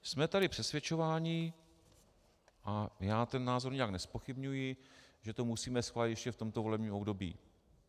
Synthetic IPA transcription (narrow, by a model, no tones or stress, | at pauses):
smɛt̪adɪpr̝̥ɛsvʲjɛt͡ʃo̞vaːɲɪ | ʔajaːt̪ɛnːaːzoɾɲɛjaknɛspoxɪbɲujɪʒɛt̪o̞musiːmɛsxvaːlɪt̪jɛʃcɛft̪o̞mt̪ovo̞lɛbɲiːmobdo̞bḭː